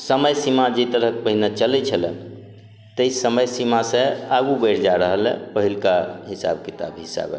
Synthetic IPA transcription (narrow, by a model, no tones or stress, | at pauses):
səməjsimad͡ʒet̪əɾəkpəɦinat͡ʃəlɛt͡ʃʰəlɛ̰̃ | t̪əisəməjsimasẽaɡubəɾd͡ʒaɾəɦəlɛ̰̃pəɦilkaɦisa̰b̚kit̪a̰bɦisa̰bɛ̰